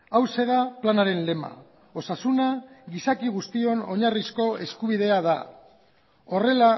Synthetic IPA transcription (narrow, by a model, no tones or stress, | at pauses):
awse̞ðaplanaɾe̞nle̞ma̰ | o̞sasunaɣisakiɣust̪io̞no̞ɲarisko̞e̞skuβ̞ið̞e̞aða | o̞re̞la